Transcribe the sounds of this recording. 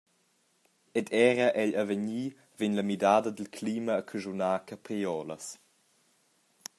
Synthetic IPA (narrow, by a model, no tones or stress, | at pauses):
ɛdʰɛːɾəʔɛʎəvəɲiː | venləmidaːdəd̪əlkʰliːməːkʰəʒunaːkəpɾiɔːləs